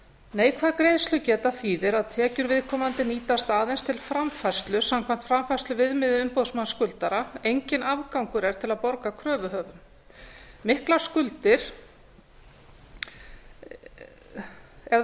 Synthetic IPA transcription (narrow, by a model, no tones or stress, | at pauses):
neːjkʰvaːðkɾeːjðst̪lʏcɛːt̪aθiːðɪɾaðt̪ʰɛːcʏɾvɪðkʰɔːmant̪ɪniːt̪ast̪aːðejnst̪ʰɪlfɾamfar̥st̪lʏsamkʰvan̥t̪fɾamfarst̪lʏvɪðmɪðʏʏmpoðsmanskʏlt̪aɾaejɲcɪnavkawŋkʏɾɛɾ̥t̪ʰɪlaðpɔɾkakʰɾœːvʏɦœːvʏm | mɪhklḁskʏlt̪ɪɾ̥ | ɛ